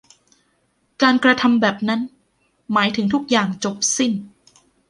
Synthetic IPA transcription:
kaː˧nkɾa˧t̪ʰa˧mbɛː˨˩p̚na˦˥n | maː˩˦jt̪ʰɯ˩˦ŋt̪ʰu˦˥k̚jaː˨˩ŋt͡ɕo˨˩p̚si˥˩n

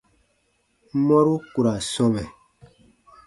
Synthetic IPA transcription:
mɔ˦ɾu˦ku˨ɾa˨sɔ˦mɛ˨

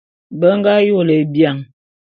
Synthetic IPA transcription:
bə˦ŋ˦ɡa˦jo˦˨lə˨bja˨ŋ

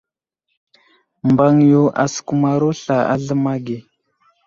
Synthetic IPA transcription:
mba˨ŋjo˨ʔa̰˨sə̥˨ku˨ma˨ɾo˦ɬa˨a̰˦ɮə˦ma˦ɡe˨

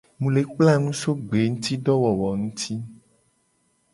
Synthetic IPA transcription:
mũ˨le˨k͡pla˦˨nũ˦so˦ɡ͡be˨˦ŋũ˦t̪i˦ɖɔ˦wɔ˨wɔ˨ŋũ˦t̪ʰi˦

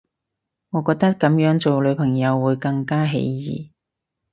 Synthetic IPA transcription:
ŋɔː˨˧kɔː˧k̚t̪ɐ˥t̚kːɐ˨˥mjœː˨˥ŋt͡so˨wlɵ˨˧ɥpʰɐ˨˩ŋjɐ˨˧wːuː˨˧jkɐ˧ŋkaː˥ɦḛ˨˥jjḭː˨˩

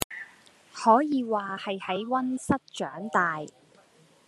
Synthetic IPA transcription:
hɔː˨˥jiː˨˧waː˨hɐ˨jhɐ˨˥jwɐ˥nsɐ˥t̚t͡ʃœː˨˥ŋt̪aː˨j

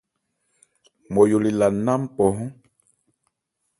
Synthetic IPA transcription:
mo˨ju˨li˨la˨na˦m˦pɔ˨ɦɔ̃˦

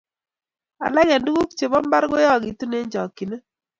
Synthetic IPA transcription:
a̰˨lɛ˦ɣɛ˨ndu˦ɡu˦kt͡ʃe˨bɔ˦mba˦ɾɡo˦jɔ˦˨ɡi˨tu˦ne˦ɲd͡ʒɔ˨kːi˨ne˦

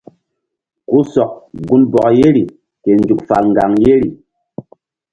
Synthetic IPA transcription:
ku˦sɔ˨k̚ɡu˦nbɔ˨k̚je˦ɾi˨ | ke˨n˦d͡ʒu˨k̚fa̰˨ŋ̩˨ɡa˨ŋje˦ɾi˨

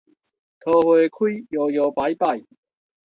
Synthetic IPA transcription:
t̪ʰɔː˧hɔː˨˩kʰu˥jjɔː˨˩jɔː˨˩pa˨˥jpaː˨˩j

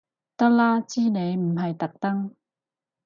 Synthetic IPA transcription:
t̪ɐ˥k̚laː˥t͡siː˥ne˨˧jm̩˨˩ɦɐ˨jt̪ɐ˨˩k̚t̪ɐ˥ŋ

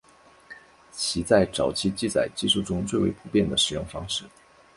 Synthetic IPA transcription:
t͡ɕʰi˧˥t͡sa˥˩ɪʈ͡ʂɑ˨˩ʊt͡ɕʰi˥t͡ɕi˥˩t͡sa̰˨˩ɪt͡ɕi˥˧ʂu˥˩ʈ͡ʂʊ˥ŋt͡swe˥˧ɪwḛ˧˥ɪpʰu˨˧˥pjɛ˥˩nd̪ə˩ʂɻ̩˨˩jʊ˥˩ŋfɑ˥ŋʂɻ̩˥˩

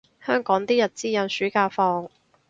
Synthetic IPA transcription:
hœː˥ŋkɔː˨˥ŋt̪iː˥jɐ˨t̚t͡siː˥jɐ˨˧˩nsyː˨˥kaː˧fɔː˧ŋ

